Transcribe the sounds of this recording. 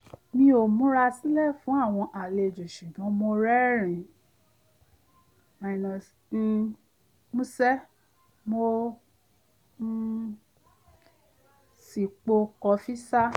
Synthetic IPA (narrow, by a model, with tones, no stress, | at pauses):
nĩ˧o˨mũ˦ɾa˧si˦lɛ˦˨fũ˨˦a˦˨w̃ɔ̃˧ʔa˨le˧˨d͡ʒo˨ʃu˨dɔ̃˨˦mo˧ɾɛ˦ɾ̃ĩ˨ | ã˧i˧nã˧˨ | mũ˦sɛ˦ | mo˧˦ | si˨k͡po˧kɔ˧fi˦sa˦